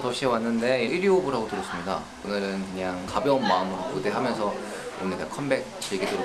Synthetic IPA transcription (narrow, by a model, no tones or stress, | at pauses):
tʌɕʰiewanːɯnde̞iʔiɾiobɯɾɦaɡotɯɾʌs͈ɯmɲida̰ | onɯɾɯnkɯɲaŋkabjʌnmaɯmɯɾokude̞ɦamjʌnsʰʌ | onɯɭtkʰʌmbe̞k̚t͡ɕiɭɡidoɾ